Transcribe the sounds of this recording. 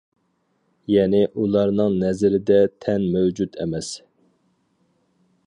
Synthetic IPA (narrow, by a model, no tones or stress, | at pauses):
jɛnɪʔulˠɑɾnɨŋnɛzɾɪd̪ɛt̪ʰɛnmøwd͡ʒut̪ʰɛ̰mɛs